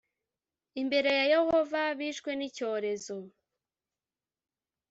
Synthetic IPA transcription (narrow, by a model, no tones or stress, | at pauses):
imbe̞ɾe̞jaje̞ho̞vaβiːʃkwe̞nico̞ːɾe̞zo̞